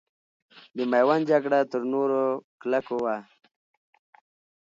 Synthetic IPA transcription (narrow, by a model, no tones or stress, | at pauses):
d̪əmajwand͡ʒakɽat̪əɾnoɾoklakowa